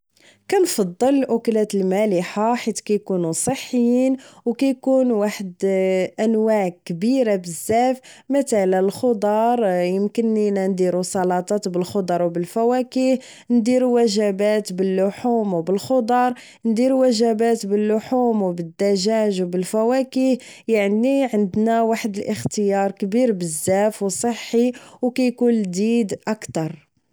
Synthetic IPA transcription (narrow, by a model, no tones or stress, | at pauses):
kænfɑd̪ˤːəllʔʊklæt̪əlmæliħaħit̪kæjkunusˤəħːəjːinwkæjkunwaħəd̪ʔænwaʕkbiɾabəzːæfmət̪ælælxod̪ˤɑɾˤjəmkənːinænd̪iɾusˤɑlɑt̪ˤɑt̪bəlxod̪ˤɑɾˤwbəlfæwækih | nd̪iɾuwæʒæbæt̪bəlːʊħumwbəlxod̪ˤɑɾˤ | nd̪iɾuwæʒæbæt̪bəlːʊħumwbəd̪ːæʒæʒwbəlfæwækih | jaʕniʕənd̪næwaħəd̪əlʔəxt̪əjɑɾˤkbiɾbəzːæfwsˤəħːiwkæjkund̪id̪ʔækt̪ɑɾˤ